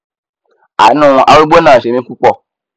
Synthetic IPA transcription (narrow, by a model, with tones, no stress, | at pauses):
a̰˨nũ˦˨ʔa˧˦ɾu˦ɡ͡bo˦nãː˦˨e˨mĩ˦ku˦k͡pɔ˦˨